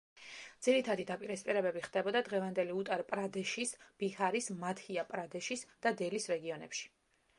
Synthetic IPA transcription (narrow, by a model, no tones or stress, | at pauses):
dd̪z̥iɾit̪ʰad̪id̪apʼiɾɛspʼiɾɛbɛbiχd̪̥ɛbɔd̪ad̪ʁɛvand̪ɛliut̪ʼaɾpʼɾad̪ɛʃisb̥ihaɾismat̪ʰhiapʼɾad̪ɛʃisd̪̥ad̪ɛlisɾɛɡiɔnɛ̰pʃi̥